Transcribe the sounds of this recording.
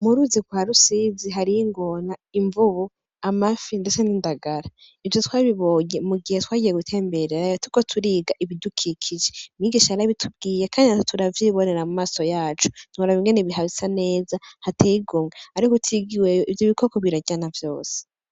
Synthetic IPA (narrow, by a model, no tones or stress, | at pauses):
muɾuziɡwuaɾusiziɦaɾiiŋɡo̞naiɱvuβu | amafindet͡senindaɡaɾa | ivjotwaːβiβo̞ːɲemuɡihetwaːɟije̞ɡutʰe̞ːmbe̞ɾeɾajotuikotʰuɾiːɡaʔiβidukʰikʰiʒemiːɡiʃahaɾaβitʰub̚ɡiːjekʰaːndinattʰuɾavjiːβo̞ne̞ɾamumaːso̞jaːt͡ʃu̥nuɾaβiŋɡe̞neβiɦaβisane̞ːzahatʰeɡomŋeaɾikotʰiɡiwejoʔivjoβikʰo̞koβiɾaɟanavjo̞̰ːse̥